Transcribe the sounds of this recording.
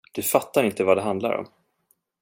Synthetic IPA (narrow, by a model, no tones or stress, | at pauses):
d̪̥ɵfat̪ːaɾɪnt̪əvad̪ɛɦand̪la̰ɾɔ̰m